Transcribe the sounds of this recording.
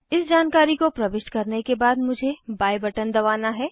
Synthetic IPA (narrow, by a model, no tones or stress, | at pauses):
ɪsd͡ʒaːnkaːɾikopɾɐʋɪʃʈkɐɾnekebaːd̪mʊd͡ʒʱebaːjbɐʈənd̪ɐʋaːnaɦɛː